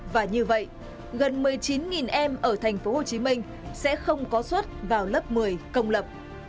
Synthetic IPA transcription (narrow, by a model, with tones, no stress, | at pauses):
vaː˨˩ɲɨ˧və̰˧˨jʔ | ɣə˨˩nmɨ˨˩əjt͡ɕi˨˦nŋi˨˩nʔɛ˧mʔəː˧˩t̪ʰa˨˩jŋ̟fo˨˦ho˨˩t͡ɕi˨˦mi˧ŋ̟ | sɛ̰˧˥xə˧wŋ͡mkɔ˨˦swə˦˥t̚vaː˨˩wlə˦˥p̚mɨ˨˩əjkə˧wŋ͡mlə˨˩p̚